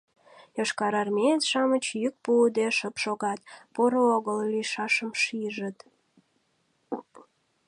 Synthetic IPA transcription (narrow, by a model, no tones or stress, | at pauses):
joʃkɑɾɑrmeet̪ʃɑmət͡ɕjyk̚pud̪eʃəpʃoɣɑt̪̚poɾəoɣəlliʃɑʃəmʃiʒət̪